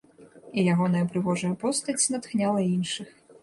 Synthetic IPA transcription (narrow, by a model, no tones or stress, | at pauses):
ijaɣɔnɐjɐpɾɨvɔʐɐjɐpɔst̪ɐt͡sʲnat̪xnʲalˠɐinʂɨx